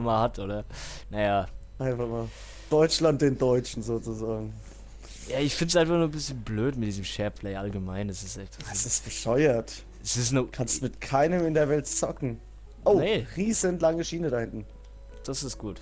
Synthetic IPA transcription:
maːhatʔoːdɐnajaːʔaɪnfaχmaːl | d̥ɔʏt͡ʃlant̚d̥eːndɔʏt͡ʃn̩zoːt͡suzaːɡŋ̩ | jaːɪçfɪntsʔaɪnfaχnuːɐbɪsçənbløːtmɪt̚d̥iːzəmʃɛɐpʰlɛɪʔalɡəmaɪnɛsɪstantsɛsɪst̚b̥əʃɔʏɐt | ʔɛsɪstnkʰanstdumɪtkʰaɪnəmɪndeːɐvɛltt͡sɔkŋ̩ | ʔoʊeʁiːzənlaŋəʃiːnədahɪntn̩ | d̥asɪstɡ̥uːt

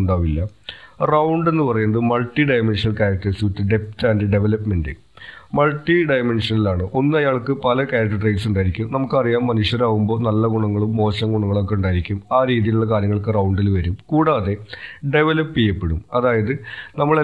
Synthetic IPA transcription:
ɳɖaːʋilːɐ | rɐwɳɖe̞nːɨpɐrɐjunːɐðɨmɐɭʈːiɖɐjme̞nʂɐnɐlkaːɾɐk̚ʈɐisiʋtːɨɖe̞ptaːndeɖe̞ʋelɐpme̞ndɨ | mɐɭʈːiɖɐjme̞nʂɐnilaːɳɨʔo̞nːɨɐjaːɭkːɨpɐlɐkaːɾɐk̚ʈːɐɖrejʈsuɳɖaːjiɾikʲːumnɐmukːɨɐrijaːmːɐnuʂjɐɾaːɣumbo̞ːnɐlːɐɡuɳɐŋːɐɭumːo̞ːɕɐŋɡuɳɐŋːɐɭokːeuɳɖaːjiɾikʲːumaːɾiːðijiluɭːɐkaːɾjɐŋːɐɭkɨrɐwuɳɖilʋɐɾumkuːɽaːðe̞ɖe̞ʋelɐpːijːɐpːe̞ɽumɐðaːjɐðɨnɐmːɐɭe

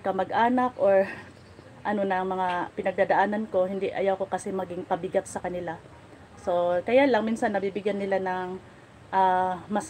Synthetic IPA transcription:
kɐmɐɡʔaːnɐkʔoɹ | ʔɐno̞nɐŋmɐŋapɪnɐɡ̚d̪aːd̪ɐʔaːnɐnko̞hɪnd̪iʔɐ̰jawko̞kɐsɛmɐɡɪŋpɐbɪɡat̪̚sɐkɐnɪla | so̞kɐjalɐŋminsɐnːɐbibɪɡjanːɪlanɐŋ | ʔaːmɐs

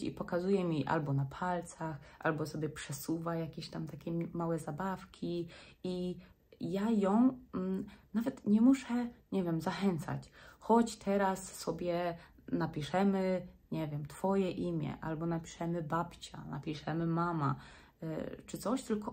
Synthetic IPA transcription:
ḭpɔkazujɛmʲiʔa̰lbɔnapʰalt̪saxʔa̰lbɔsɔbʲjɛpʂɛsuvajakʲeɕt̪amt̪akʲɛmawɛzabafkʲʰii | jajɔ̃w̃ | navɛt̪ɲɛmuʂɛɲɛvʲjɛmzaxɛnt̪sa̰t͡ɕxɔt͡ɕt̪ʰɛɾasːɔbʲjɛ | napʲiʂɛmɘɲɛvʲjɛmt̪fɔjɛʔimʲjɛ̰ʔalbɔnapʲi̥ʂɛmɘbapt͡ɕa̰na̰pʲiʂɛmɘmama | t͡ʂɘt̪ɔɕt̪ɘlkɔ

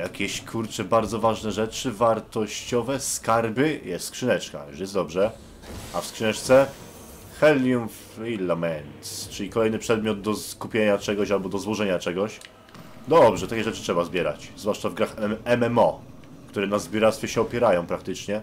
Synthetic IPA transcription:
jakʲɛɕkʰuɾt͡ʂɛbaɾd̪zɔvaʐnɛʐɛt͡ʂɘvaɾt̪ɔɕt͡ɕɔvɛskaɾbɘjɛst̪skʂɘnɛt͡ʂka̰ʂjɛsd̪ɔbʐɛ | afskʂɨnɛʂt̪sɛ | xɛljumf | ilːamɛnst͡ʂɘlʲikɔlɛjnɘpʂɛd̪̚mʲjɔd̪̚d̪ɔskupʲjeɲat͡ʂɛɡɔɕalbɔd̪ɔzwɔʐɛɲat͡ʂɛɡɔɕ | d̪ɔbʐɛt̪akʲɛʐɛt͡ʂɘtʂɛbazbʲjɛɾa̰t͡ɕzvwaʂt͡ʂavɡɾaxɛmɛmɔ | kt̪uɾɛnazbʲuɾat̪st̪fʲjɛɕɛɔpʲjɛɾajɔ̃w̃pɾakt̪ɘt͡ʂɲɛ

